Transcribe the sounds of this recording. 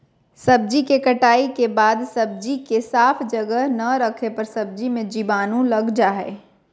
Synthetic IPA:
sɐb̚d͡ʒikekəʈaːikebaːd̪sɐb̚d͡ʒikesaːpʰd͡ʒəɡəɦnɐɾəkʰepɐɾsɐb̚d͡ʒimẽd͡ʒibaːnũlɐɡd͡ʒaɦɛ

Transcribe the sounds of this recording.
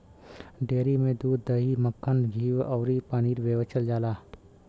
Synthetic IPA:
ɖeːɾimẽd̪uːd̪ːəɦiməkʰːənɡʱiːwɔːɾipaːniːɾʋeːʋət͡ʃəld͡ʒaːlaː

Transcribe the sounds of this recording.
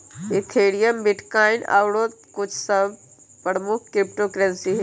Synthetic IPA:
ɪt̪ʰeːɽijəmbɪʈkaːɪna̰ʋɽoːt̪̚kʊt͡ʃʰsɐb | pɾɾəmʊkʰkɾɪp̚ʈoːkɾɛ̃nsiɦe

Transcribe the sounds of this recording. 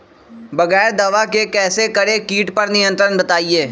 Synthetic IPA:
bɐɣɛːɾd̪ɐʋakekɛːsekɐɾekiːʈpɐɾnɪjə̃nt̪ɾənbɐt̪aːieː

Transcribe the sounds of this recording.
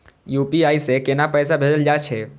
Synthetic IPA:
juːpiaːisekenapɛːsabʱeːd͡ʒəld͡ʒaːt͡ʃʰɛː

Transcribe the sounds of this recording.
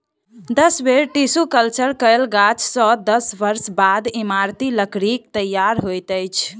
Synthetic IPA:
d̪əsbeɾʈisukəlt͡ʃəɾkəjlɡat͡ʃsɔ̃d̪əsbəɾsbad̪imaɾt̪iləkɾik̚t̪əjaɾɦojt̪əjt͡ʃʰ

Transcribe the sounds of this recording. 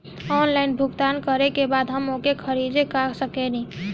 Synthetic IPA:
ɔnlainbʱuɡt̪ankəɾekebad̪ɦəmokekʰəɾid͡ʒekaksəkɛni

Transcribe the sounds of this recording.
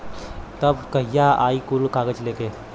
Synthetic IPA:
t̪ɐbkɐɦijaa̰ːikʊlkaːɡət͡ʃleːkeː

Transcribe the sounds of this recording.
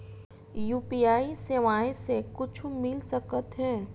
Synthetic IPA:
juːpiaːiseʋaːẽsekʊt͡ʃʰmɪlsəkət̪ɦɛ̃ː

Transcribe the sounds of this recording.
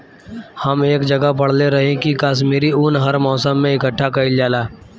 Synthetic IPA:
hɐmeːkd͡ʒɐɡapɐɽ̤leɾɐɦẽkikaːʃ̬miːɾiʊnɦɐɾmɔːsəmːẽɪkəʈʰːakɐild͡ʒaːlaː

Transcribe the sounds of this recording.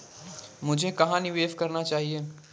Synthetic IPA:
mʊd͡ʒʱekɐɦãnɪʋeːʋkɐɾnat͡ʃaːɦie

